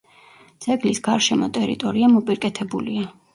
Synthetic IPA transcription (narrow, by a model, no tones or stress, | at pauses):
d̪z̥ɛɡlisɡ̥aɾʃɛmɔt̪ʼɛɾḭt̪ʼɔɾiamɔpʼiɾkʼɛt̪ʰɛbulia